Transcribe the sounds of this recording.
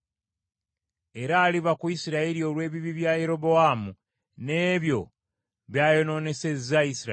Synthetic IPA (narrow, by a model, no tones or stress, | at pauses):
e̞ɾaːliβakuisiɾaeɾio̞lwe̞ːβiβiβjaje̞ɾo̞bo̞amu | ne̞ːβjo̞ | βjaːjo̞no̞ːne̞se̞zaisiɾ